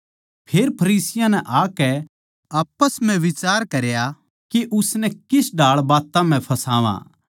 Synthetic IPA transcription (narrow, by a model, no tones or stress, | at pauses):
pʰeːɾpʰɐɾiːsɪjãnɛʔaːkɛ | aːpəsm̤ɛ̃ʋɪt͡ʃaːɾkɐɾja | keʔʊsnɛkɪsɖʱaːɭbaːt̪ãm̤ɛ̃pʰɐsaːʋã̰ː